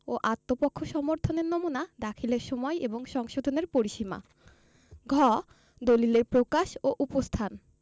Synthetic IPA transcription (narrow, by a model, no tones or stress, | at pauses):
oʔat̪ːopokʰːoʃɔmoɾt̪ʰoneɾnomunad̪akʰileɾʃɔmɔeʔeboŋʃɔŋʃod̪ʱoneɾpoɾiʃima̰ | ɡʱɔ | d̪olileɾpɾokaʃoʔupost̪ʰan